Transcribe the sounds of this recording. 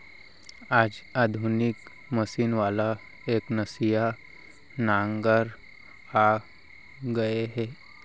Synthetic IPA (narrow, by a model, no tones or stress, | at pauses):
aːd͡ʒaːd̪ʱunɪk | mɐʃiːnʋaːla | eːknɐsija | nãːŋɡəɾ | a | ɡɐeɦɛː